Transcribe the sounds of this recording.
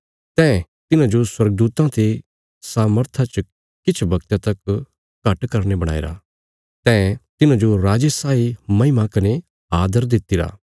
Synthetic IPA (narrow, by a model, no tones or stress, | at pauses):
t̪ɛ̃ːt̪ɪnãd͡ʒoswɐɾɡəd̪uːt̪ãt̪e | saːməɾt̪ʰat͡ʃ | kɪt͡ʃʰbɐkt̪at̪ɐk | kɐʈkɐɾnebɐɽ̃a̰ːḛɾa̰ | t̪ɛ̃ːt̪ɪnãd͡ʒoɾaːd͡ʒesaːimɐ̃ɪmãkɐne | aːd̪əɾd̪ɪt̪ːiɾa̰ː